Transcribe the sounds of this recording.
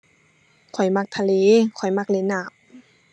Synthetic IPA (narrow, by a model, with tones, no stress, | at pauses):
kʰɔ˨˩jma˧k̚t̪ʰa˧leː˧˦kʰɔ˨˩jma˧˥k̚leː˧˥naː˧˩p̚